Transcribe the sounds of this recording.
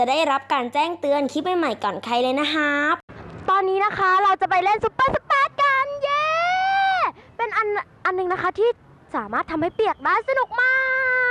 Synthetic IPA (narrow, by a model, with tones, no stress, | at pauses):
t͡ɕa˨˩daː˥˩jɾa˦˥p̚kaː˧nt͡ɕɛː˥˩ŋt̪ɯ˧ənkʰi˦˥t̪̚ma˥˩jma˨˩jkɔː˨˩nkʰa˧jlɤː˧jna˦˥kʰa˦˥p̚t̪ɔː˧nːiː˦˥na˦˥kʰa˦˥ɾa˧wt͡ɕa˨˩pa˧jle˥˩nsu˦˥ppaː˧˩su̥˧˦˥ppaː˧˩t̪̚ka˧njeː˧ | pe˧nʔa˧nʔa˧nːɯ˨˧ŋna˦˥kʰa˦˥t̪ʰiː˥˩ | saː˩˦maː˥˩t̪ʰːa˧mha˥˩pi˨˩ək̚daː˥˩jsa˧nu˨˩k̚maː˥˩k